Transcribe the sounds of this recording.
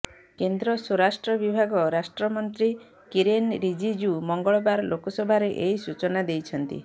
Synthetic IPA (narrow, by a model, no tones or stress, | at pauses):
kend̪ɾɔsɔɾasʈɾɔbibʱaɡɔɾasʈɾɔmɔnt̪ɾi | kiɾenɾid͡ʒid͡ʒumɔŋɡɔɭɔbaɾlokɔsɔbʱaɾeʔejsut͡ʃɔnad̪ejt͡ʃʰɔnt̪ḭ